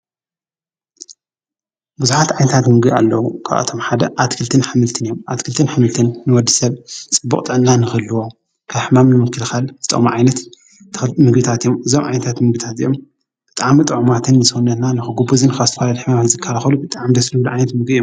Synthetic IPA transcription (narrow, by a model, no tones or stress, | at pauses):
buzuħat̪ʕajnɐt̪ʰat̪mɨɡbia̰lːɐwukʰa̰βʔa̰t̪ʰo̞mħad̪ɐʔat̪kʰɨlt̪ʰɨnħɨmɨlt̪ʰɨnɨjomʔat̪kʰɨlt̪ʰɨnħɨmɨlt̪ʰɨnːɨwɔd̪ːɨsɐβt͡sʼɨbːṵχʼt̪ʼɨʕɨnːanɨxɨlːɨwo | kʰaβħɨmamnɨmɨkːɨlxalzɨt̪ʼɐ̰ʔmaʕajnɐt̪ | mɨɡbit̪ʰat̪ijomɨzomʕa̰jnɐt̪ʰat̪mɨɡbit̪ʰat̪ɨ̰jom | b̥ɨt̪ʼaʕmit̪ʼɨʕumat̪ʰɨnːɨsɨunːɐt̪nanɨxɨɡubuzɨnkazt̪ɐfalad̪iħɨmamanzɨkʰːalaxɐlubɨt̪ʼaʕmid̪ɐslɨwluʕajnɐt̪mɨɡijom